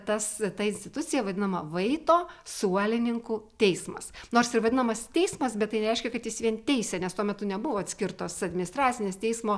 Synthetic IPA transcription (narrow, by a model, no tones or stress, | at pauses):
t̪ɐst̪ɐɪnʲsʲt̪ʲɪt̪ʊtt͡s̪ʲsʲɪjɛʋɐd̪ʲɪnɐmɐʋɐɪt̪oːsuɔlʲɪnʲɪŋkuːt̪ʲɛɪsmɐsnoːɾsɪʋɐd̪ʲɪnɐmɐst̪ʲɛɪsmɐsbʲɛt̪t̪ːɐɪnʲɛɾʲɛɪʃʲkʲɛkɐt̪jɪsʋʲiɛnt̪ʲɛɪsʲɛnʲɛst̪uɔmʲɛt̪ʊnʲɛbʊʋoːɐt̪ʲsʲkʲɪɾt̪oːsɐdʲmʲɪnʲɪst̪ɾɑːt̪sʲɪnʲeːst̪ʲɛɪsmoː